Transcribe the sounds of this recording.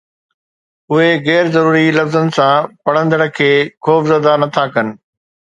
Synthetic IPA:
ʊɦeɣɛːɾzɐɾuːɾilɐfzənɪ̆sãpɐɽ̤ə̃nd̪əɽə̆kʰeːxɔːfzəd̪anɐt̪ʰakɐnɪ̆

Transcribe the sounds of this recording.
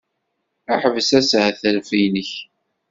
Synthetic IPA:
aħəvəsæshæθəlfinəç

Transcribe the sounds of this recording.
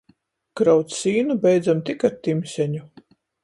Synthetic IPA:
kɾawt̪ssiːnubɛjd̪zamt̪ikaɾt̪imsʲɛɲu

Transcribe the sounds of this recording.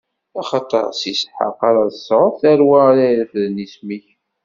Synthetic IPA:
ɑχɑt̪ˤə̰ɾˤsisħə̰qɑɾˤɑðsˤɾˤθæɾwaɾaɾəfðənismiç

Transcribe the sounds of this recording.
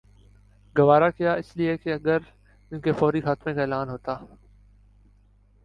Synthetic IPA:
ɡɐʋaːɾakijaɪsliekeɐɡəɾ | ɪnkefɔːɾixaːt̪mekaeːlaːnɦoːt̪aː

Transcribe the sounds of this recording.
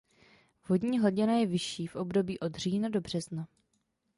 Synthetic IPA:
vo̞dɲiːɦlɟɪnajɛvɪʃiːfʔo̞bdo̞biːʔo̞d̪r̝iːnado̞br̝̥ɛzna

